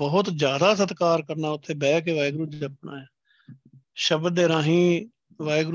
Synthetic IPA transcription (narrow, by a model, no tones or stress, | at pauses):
bəɦʊt̪d͡ʒjaːd̪aːs̬ət̪kaːɾkəɾnaːʊt̪ʰːeːbɛːkeʋaːɪɡɾuːd͡ʒəpna̰ːɛː | ʃəbd̪ːeːɾãːɦĩː | ʋaːɪɡɾ